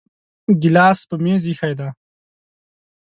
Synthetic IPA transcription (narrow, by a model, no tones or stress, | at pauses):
ɡɪlɑːspəmezixajd̪a